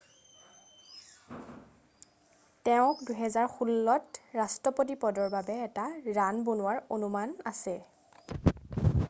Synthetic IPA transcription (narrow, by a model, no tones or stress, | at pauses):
tɛʊ̃kduɦɛzaɹxulːɔtɹastɔpot̬ipɔdɔɹbabɛːtaɹanbonʊwaɹonumanasɛ